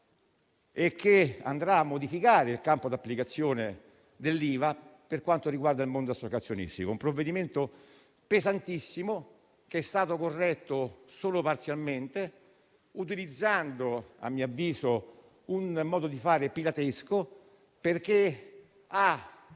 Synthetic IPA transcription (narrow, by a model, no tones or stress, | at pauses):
ekʰːea̰nd̪ɾaːmːod̪ifikaːɾeilkampod̪apːlikat̪sːjoːne | d̪elːiːvaperkwant̪oɾiɡward̪ailmond̪oasːokat̪sːjonḭst̪ikoumpɾovːed̪iment̪o | pezant̪isːimo | k̟eɛst̪aːt̪okorːɛt̪ːosoːlopart̪sjalment̪e | ut̪̬ilid̪zːand̪oa̰mːiavːiːzo | unmɔːd̪od̪ifaːɾepilat̪esko | perk̟e | a